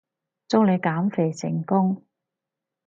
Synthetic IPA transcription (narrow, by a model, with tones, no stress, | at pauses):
t͡sɔ˥ŋle˨˧jkaː˨˥mfe˨˩jsɪ̰˨˩ŋkʊ˥ŋ